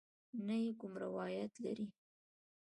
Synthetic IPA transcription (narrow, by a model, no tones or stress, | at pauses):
najekʊmɾawɑjat̪la̰ɾi